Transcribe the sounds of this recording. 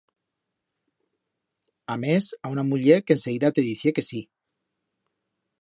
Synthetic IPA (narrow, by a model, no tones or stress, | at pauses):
amesaunamuʎeɾkenseɣiðat̪eðiθjekesi